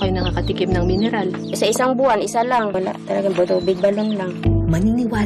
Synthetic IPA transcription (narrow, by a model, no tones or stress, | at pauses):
kɐjnɐŋakɐt̪ɪkɪp̚nɐŋmɪnɛɾal | sɐʔɪsaŋbuhanʔɪsalaŋwɐla̰ʔt̪ɐlɐɡaŋbot̪uːbɪɡ̚bɐloŋlaŋmɐninɪwaː